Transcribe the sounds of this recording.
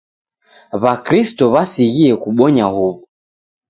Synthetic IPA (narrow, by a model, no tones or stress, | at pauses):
βakɾistɔβasiɣiɛkuɓɔɲahuβu